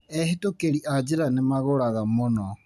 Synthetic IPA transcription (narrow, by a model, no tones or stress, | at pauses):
ɛɦetokeɾiʔad͡ʒeɾanemaɣoɾaɣamonɔ